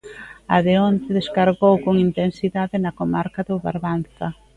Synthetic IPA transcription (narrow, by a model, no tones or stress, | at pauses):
a̰ðeont̪ɪðeskaɾɣowkoŋint̪ensiðaðɪnɐkomaɾkaðoβa̰ɾβanθɐ